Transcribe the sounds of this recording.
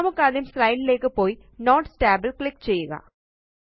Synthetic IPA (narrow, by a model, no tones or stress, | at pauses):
ɐmukːɐðimsrɐjɳɖile̞ːkːɨpːo̞ːji | noːʈsʈaːbɐlkɭikːt͡ɕe̞jːuɣɐ̰